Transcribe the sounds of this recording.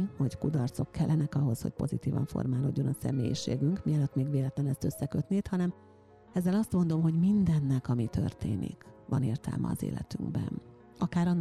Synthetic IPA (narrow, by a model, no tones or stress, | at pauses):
hockud̪ɒrt̪so̞kːɛlːɛnɛkɒɦo̞sho̞̰c̚po̞zit̪iːvɒ̰ɱfo̞̰rmaːlo̞ɟːo̞nɒsɛ̰meːjiʃḛːɡyŋkmiɒløt̪ːmeːɡʋeːlɛt̪lɛnɛst̪ø̞sːɛkøt̪neːt̪hɒnɛm | ɛzːɛlɒst̪mo̞nd̪o̞mɦo̞ɟmind̪ɛnːɛkɒmit̪ʰø̰rt̪eːnḭkʋɒneːrt̪ɛ̰lmʔɛ̰ɒzḛːlɛ̰t̪yŋɡbɛn | ɒkaːɾɒnː